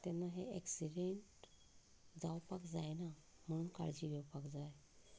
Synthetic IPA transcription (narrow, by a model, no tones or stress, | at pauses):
t̪ɛnːaɦeeksiɖeɳʈ | d͡zawpakd͡zajna | m̤əɽ̃uːnka̰ɭd͡ʑiʋɛwpakd͡zaj